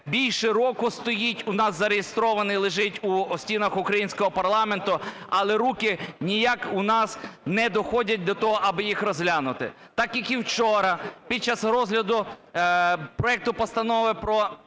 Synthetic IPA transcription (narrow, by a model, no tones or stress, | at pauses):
bʲilʲʃɛɾɔkʊst̪ɔjitʲʊnɑszɐɾejest̪ɾɔʋɐnɪlˠɪʒɪtʲuɔsʲtʲinɐxʊkɾɐjinʲsʲkɔɦɔpɐrlˠɑme̞nt̪ʊɐlˠɛɾukɪnʲijakʊnɑsnɛd̪ɔxɔdʲɐt̚ʲd̪ɔt̪ɔɦɔʔɐbɪjixɾɔzɦlʲanʊt̪ɪ̰ | t̪ɑkjɐkiwt͡ʃɔɾɐpʲid̪̚t͡ʃːasɾɔzɦlʲɐd̪ʊ | pɾɔɛk̚t̪ʊpɔst̪ɐnɔʋɪpɾɔ